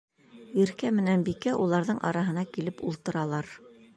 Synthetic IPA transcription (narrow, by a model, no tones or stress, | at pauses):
jĭɾkæmɘ̆nænbikæʔulˠɑɾðɤɴʔɑ̰ɾɑɦɤ̆nɑkilɘpṵlˠt̪ɤ̆ɾɑlˠɑɾ